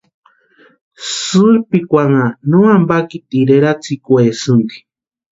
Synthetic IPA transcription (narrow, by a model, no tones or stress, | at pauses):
sɨɾpikʷaŋanuambakit̪iɾeɾat͡sikwesɨnd̪i̥